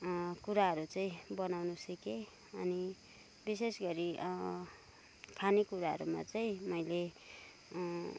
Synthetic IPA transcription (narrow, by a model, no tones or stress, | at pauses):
kuɾaɦʌɾut͡saĩbʌnawnusʌke | ʌni | bis̬esɡʌɾi | kʰanikuɾaɦʌ̰ɾṵma̰t͡saĩmʌjle